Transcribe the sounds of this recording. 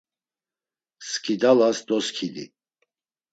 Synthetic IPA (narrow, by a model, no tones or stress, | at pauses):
skʰid̪alasd̪ɔskʰilḭ